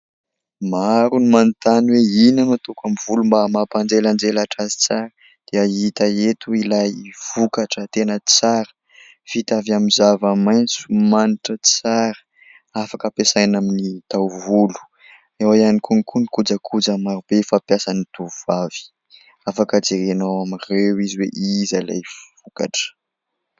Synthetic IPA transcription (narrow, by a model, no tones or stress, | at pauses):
maɾunimanit̪anweinanut̪ukamivulumbamapand͡ʒeland͡ʒelaʈ͡ʂazi̥t͡saɾə | d̪̥eait̪aet̪uilajv̥ukaʈ͡ʂət̪enət͡saɾə̥ | fit̪avjamizavamajnt͡su̥maniʈ͡ʂət͡saɾə̥ | afakəpesajnaminit̪awvulu̥ | ewajanikunikʰunikud͡zəkʰud͡zamaɾubefapjasanit̪uvavi̥ | afakəd͡zeɾenawamirewiziweʔizala̰jvvuka̰ʈ͡ʂə̥